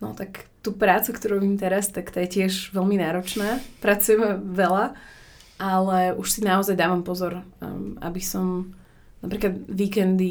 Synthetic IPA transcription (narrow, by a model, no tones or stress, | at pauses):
nɔ̰t̪akt̪uːpɾaːt͡sukt̪ɔɾuʋiːmt̪ɛɾast̪akt̪aːjɛcɪɛʒʋɛlminaːɾɔt͡ʃnaːpɾat͡sujɛmɛʋɛla | ʔalɛuʃsinaɔzajd̪aːʋampɔzɔɾa̰bisɔm | napɾiːklad̪ʋiːkɛnd̪i